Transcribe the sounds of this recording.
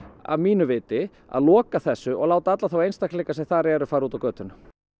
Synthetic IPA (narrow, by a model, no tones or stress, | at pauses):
a̰vmiːnʏvɪːt̪ɪ | a̰ðlɔːkaθɛsːʏʔɔ̰ɣlaːwt̪aat̪laθawejnst̪aklɛːkasɛmθaɾɛɾʏfaːɾuːt̪avwkœːt̪ʏn